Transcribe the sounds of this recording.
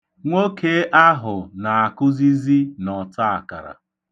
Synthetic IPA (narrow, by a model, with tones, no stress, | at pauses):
ŋʷo˦ke˦ʔa˦ɦʊ˨na˨a˨kʊ˦zi˦zi˦nɔ˨ta˦a˨ka̰˨ɾa̰˨